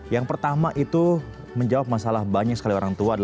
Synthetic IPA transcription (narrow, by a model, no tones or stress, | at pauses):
jaŋpərt̪amaʔit̪u | məɲd͡ʒawap̚masalahbaɲak̚sə̥kalioɾaŋt̪uaːda